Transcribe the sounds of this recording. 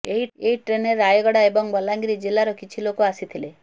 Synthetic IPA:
eɦieɦiʈɾeneɾajɡɔɽaebɔŋbɔlaŋɡɾid͡ʒelaɾɔkit͡ʃʰilokoasit̪ʰile

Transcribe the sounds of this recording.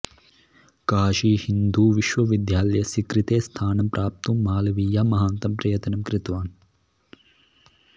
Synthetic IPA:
kaːʃihind̪uːʋiʃʋɐʋid̪jaːlɐjɐsikɾit̪eːst̪ʰaːnɐmpɾʔaːp̚t̪ummːaːlɐʋiːjaːmɐɦaːnt̪ɐmpɾɐjɐt̪ɐnɐmkɾɪt̪ʋaːn

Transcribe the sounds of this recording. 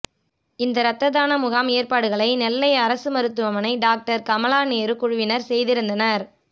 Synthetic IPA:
ɪnd̪ɐɾɐt̪ːɐðaːnɐmʊɣaːmeːɾpaːɽɯɣɐɭɐɪnɛlːɐɪɐɾɐsɯmɐɾɯt̪ːɯʋɐmɐnɐɪɖaːk̚ʈɐɾkɐmɐlaːneːɾɯkʊɻʊʋɪnɐɾsɛjðɪɾɯnd̪ɐnɐɾ

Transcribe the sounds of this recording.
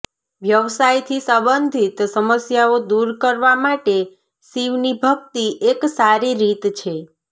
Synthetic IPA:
ʋjəʋsajt̪ʰisə̃bənd̪ʱit̪səməsjaod̪uɾkəɾʋamaʈe | siʋnibʱəkt̪iʔeksaɾiɾit̪t͡ʃʰe

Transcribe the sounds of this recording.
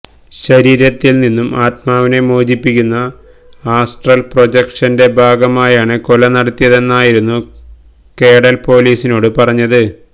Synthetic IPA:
ɕɐɾiːɾɐt̪ːilninːumaːt̪̚maːʋine̞mo̞ːd͡ʑipːikʲːunːɐ | aːsʈrɐlprod͡ʑekʂɐnde̞bʱaːɡɐmaːjaːɳɨkolɐnɐɽɐt̪ːijɐðe̞nːaːjiɾunːu | ke̞ːɽɐlpo̞ːliːsino̞ːɽɨpɐrɐɲːɐðɨ

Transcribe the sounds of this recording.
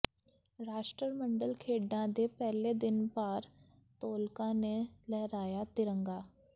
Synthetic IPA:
ɾaːʃʈɾəɾmə̃ɳɖəlkʰeːɖãd̪epɛɦled̪ɪnpaːɾ | t̪oːlkãnelɛɦɾaːjat̪ɪɾə̃ŋɡaː

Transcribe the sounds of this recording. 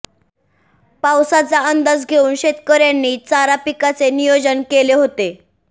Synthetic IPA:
pawsat͡saənd̪əs̬ɡʱeuːnɕet̪kəɾjanːiːt͡saɾapikat͡senijod͡ʑənkeleɦot̪e

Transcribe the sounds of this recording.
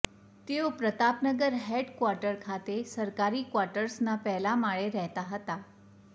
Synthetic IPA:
t̪eopɾət̪apnəɡəɾɦeɖkʋaɾʈəɾkʰat̪esəɾkaɾiːkʋaɾʈəɾsnapɛɦlamaɭeɾɛɦt̪aɦət̪a

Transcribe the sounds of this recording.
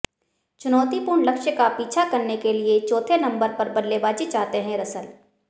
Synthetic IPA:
t͡ʃʊnɔːt̪ipuːɾɳlɐkʃjəkapiːt͡ʃʰakɐɾnekeliet͡ʃɔːt̪ʰenɐ̃mbəɾpɐɾbɐd̪lebaːd͡ʒit͡ʃaːt̪eɦɛ̃ɾɐsəl

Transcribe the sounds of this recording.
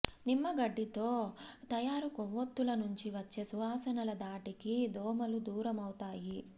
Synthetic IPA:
nimːɐɡɐɖːit̪o̞ːt̪ɐjaːɾukoʋːot̪ːulɐnuɲt͡ʃiʋɐt͡ʃːe̞suɦaːsɐnɐlɐd̪aːʈikid̪ɔːmɐlud̪uːɾɐmɐwut̪aːji

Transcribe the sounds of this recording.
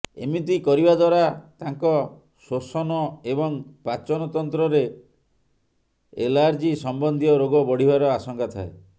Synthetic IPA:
ḛmit̪ikɔɾibad̪waɾat̪aŋkɔ | sosɔnɔebɔŋpat͡ʃɔnɔt̪ɔnt̪ɾɔɾe | ḛlaɾd͡ʒisɔmbɔnd̪ʱijɔɾoɡɔbɔɽ̤ibaɾɔasɔŋkat̪ʰa̰e

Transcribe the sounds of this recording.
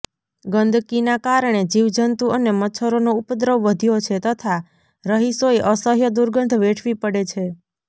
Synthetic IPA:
ɡənd̪ʱkinakaɾəɳ̃ed͡ʒiʋd͡ʒənt̪uʔənemətːt͡ʃʰəɾonoupd̪ɾəʋʋəd̪ʱijot͡ʃʰet̪ət̪ʰa | ɾəɦisoeʔəsəɦjəd̪uɾɡənd̪ʱʋeʈʰʋipəɽet͡ʃʰe

